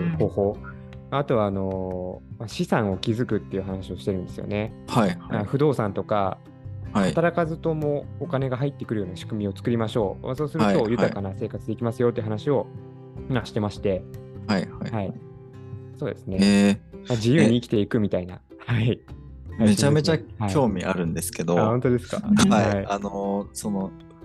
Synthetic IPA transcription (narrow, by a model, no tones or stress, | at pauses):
ho̞ːho̞ː | aat̪o̞βaːno̞maɕisãɰ̃o̞kʲizɨkɯ̟t̪ːe̞iɯ̟ɦanaɕio̞ɕi̥t̪e̞ɾɯ̟̃nd̪e̞sɨjo̞̰ne̞haãɸɯ̟d̪o̞ːsãnt̪o̞ka̰ | at̪aɾakazɨt̪o̞mo̞ːkane̞ɡaɦait̪ːe̞kɯ̟ɾɯ̟joːnaɕi̥kɯ̟mʲio̞t͡sɨ̥kɯ̟ɾʲimaɕo̞ːma̰so̞ːsɨɾɯt̪o̞jɯ̟t̪akanase̞ːkat͡sɨd̪e̞kʲimasɨjo̞t̪ːei̟ɦanaɕio̞ | mãɕi̥t̪e̞maɕi̥t̪e̞haihaihai | so̞ːd̪e̞sɨne̞mad͡ʑijɯːɲ̟iːkʲi̥t̪e̞ikɯ̟mʲit̪aina̰ | haihaieot͡ɕame̞t͡ɕahakʲo̞ːmʲiʔa̰ɾɯ̟̃nd̪e̞sɨ̥ke̞d̪oaːhont̪o̞d̪e̞sɨ̥ka̰aiaianosono